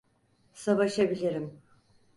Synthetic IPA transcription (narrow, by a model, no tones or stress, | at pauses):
savaʃabilʲiɾim